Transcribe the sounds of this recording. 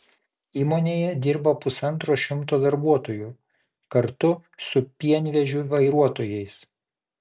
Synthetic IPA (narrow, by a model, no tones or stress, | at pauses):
iːmoːnʲeːjɛd̪ʲɪɾbɐpʊsɐnt̪ɾoːʃʲɪmt̪oːd̪ɐɾbuɔt̪oːju | kɐɾt̪ʊsʊpʲiɛnʲʋʲɛʒʲʊʋɐɪɾuɔt̪oːjɛɪs